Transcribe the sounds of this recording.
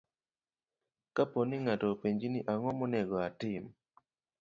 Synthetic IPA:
kaponiŋatɔpeɲd͡ʒiniʔaŋɔmɔnɛɡɔatɪm

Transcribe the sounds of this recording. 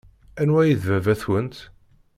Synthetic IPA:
ænwæjiðvævæθwənt̪

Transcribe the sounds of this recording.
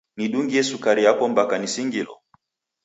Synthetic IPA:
niɗuŋɡiɛsukaɾiapɔmbakanisiŋɡilɔ̰

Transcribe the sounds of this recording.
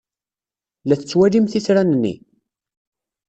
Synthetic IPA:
læθə̥t͡sːwælimθisɾænnːḭ

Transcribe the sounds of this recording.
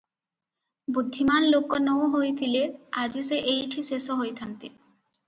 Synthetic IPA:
bud̪ʱːimanlokːonowɦojt̪ʰilead͡ʑiseʔejʈʰisesoɦojt̪ʰant̪ḭ

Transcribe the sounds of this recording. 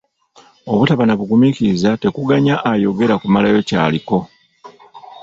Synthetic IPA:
o̞βutaβanaβuɡumiciɾizate̞kuɡaɲaʔajo̞ɡe̞ɾakumalajo̞ca̰ːliko̞

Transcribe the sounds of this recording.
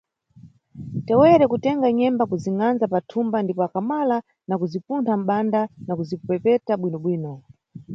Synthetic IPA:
tɛwɛɾɛkutɛŋɡaɲɛmbakuziŋanzapatʰumbandipɔakamala | nakuzipuntʰam̩ɓandanakuzipupɛpɛtaɓwinɔɓwiːnɔ

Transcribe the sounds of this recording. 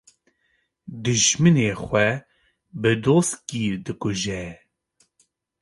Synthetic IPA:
d̪ɨʒmɨneːxʷɛ | bɨd̪oːst̪kiːd̪ɨkʊʒɛ

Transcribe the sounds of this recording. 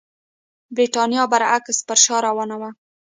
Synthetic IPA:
bɾiʈɑnjɑbaɾakspəɾʃɑɾawɑnawa

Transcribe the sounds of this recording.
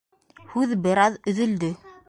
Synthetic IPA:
hʉðbɘ̆ɾɑðɵ̆ðɵ̆ld̪ɘ

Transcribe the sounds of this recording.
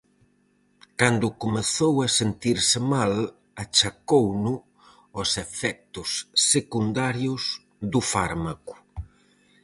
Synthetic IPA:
kand̪ʊkomeθowasent̪iɾsɪmal | at͡ʃakownʊ | ɔsefɛk̚t̪ʊsːekund̪aɾjʊs | ðʊfaɾmakʊ̥

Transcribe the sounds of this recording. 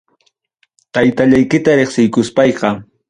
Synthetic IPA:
t̪ajt̪aʎajkɪt̪aɾeχsɪjkʊspɑjqɑ

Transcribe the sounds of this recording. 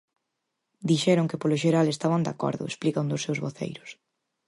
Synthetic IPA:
d̪iʃɛɾʊŋkɪpolʊʃeɾalest̪aβand̪a̰kɔ̰ɾðʊ̰ḛsplikand̪ʊsewzβoθḛjɾʊs

